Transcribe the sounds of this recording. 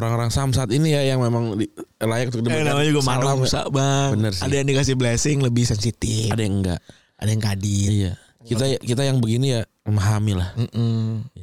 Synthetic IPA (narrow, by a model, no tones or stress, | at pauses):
oɾaŋoɾaŋsamsaːt̪inijajaŋmemaŋdilajak̚t̪ukdianamaɲd͡ʒuɡamalamusa̰baŋbənərsadajaŋdikas̬ɪhblɛsɪŋləbɪhsɛnsit̪ɪadajaəŋɡa̰ʔ | adajaŋkadiija | kit̪akit̪ajaŋbəɡinija | əmaɦamilahm̩m̩ja